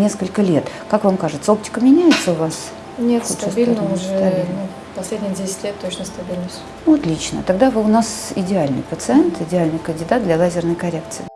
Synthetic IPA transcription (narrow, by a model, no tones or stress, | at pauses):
nʲe̞skəlʲkəlʲe̞t̪ | kakvamkaʐɨt̪səop̚tʲɪ̥kəmʲɪnʲæjɪt̪səʊvas | nʲet̪sut̪ɐb̪ʲilʲnəʊʐɛt̪ɐbʲilʲnu | pɐsʲlʲedʲnʲɪjədʲesʲɪ̥tʲlʲet̪ːot͡ɕnəst̪ɐbʲilʲnəsʲtʲ | nuɐt̪lʲit͡ɕnə̰t̪ɐɡd̪avəʊnasɪdʲɪalʲnɨ̰jpət̪sɨɛnt̪ɪdʲɪalʲnɨjkənʲdʲɪd̪at̪̚d̪lʲalˠazʲɪrnəjkɐɾʲe̞k̚t̪sɨɪ